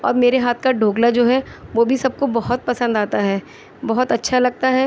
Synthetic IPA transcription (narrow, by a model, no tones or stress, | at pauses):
ɔ̰ːɾmeːɾeɦaːt̪ʰkaɖʱoːɡlad͡ʒoːɦɛʋoːbʱisɐb̚kobɐɦʊt̪̚pɐsə̃nd̪aːt̪aɦɛː | bɐɦʊt̪ɐtːʃʰalɐɡ̚t̪aɦɛː